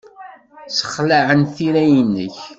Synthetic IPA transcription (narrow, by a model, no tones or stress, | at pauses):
sə̥χlaʕənθiɾæjənːə̰ç